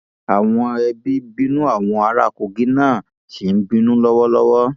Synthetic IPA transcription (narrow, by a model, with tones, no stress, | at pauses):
a˨w̃ɔ̃˧ɛ˧bi˦bĩ˦nũ˦a˦˨w̃ɔ̃˧a˧ɾa̰˦˨ko˨ɡĩ˦nãː˦˨ | ʃi˨n̩˦bĩ˦nũ˦lɔ˦wɔ˦lɔ˦wɔ˦